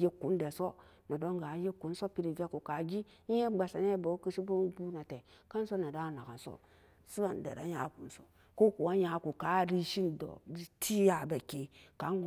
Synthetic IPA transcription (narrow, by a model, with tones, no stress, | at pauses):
je˦kːu˨˦n˦de˨so˦ | na˨do˦ŋɡa˨˦je˦kːu˨n˦so˦pi˨ɾi˨ve˦ku˨ka˨ɡi˦ | je˦ɡ͡ba˨sa˨ne˦bo˨˦ki˦ʃi˦bo˦u˦bu˦na˨te˨ka˦n˦so˦na˨da˦˨na˨ka˨nso̰˦ | su˦a˨n˨dḛ˨ɾa̰˨ja̰˨˦˨ku˨n˦so̰˨ | ko˦ku˨wa˦ja˨˦ku˨ka˨˦ɾi˦ʃi˦ndo̰˨i˦tʰi˦ja˨ba˨ke˨ka˨˦ŋ˦ɡ